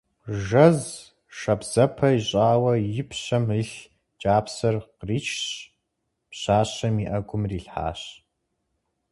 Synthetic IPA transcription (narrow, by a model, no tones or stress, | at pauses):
ʒɐz | ʂɐbz̥ɐpʰɐjiɕʼaːwɐjɪpʰɕɐməɬ | d͡ʒʼaːpsɐrqriːt͡ʃʰɕ | pɕaːɕɐmiːʔɐɡʷʊmriːɬħa̰ːɕ